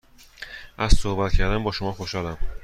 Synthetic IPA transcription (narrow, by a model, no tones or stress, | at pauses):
ʔæzsohbæt̪cʰæɾd̪ænbɒːʃomɒːxoʃɒːlæm